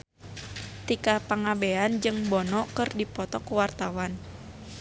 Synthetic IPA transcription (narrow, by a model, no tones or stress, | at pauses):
t̪ikapaŋabeand͡ʒɨŋbɔnɔkɨrdipɔt̪ɔkuwart̪awan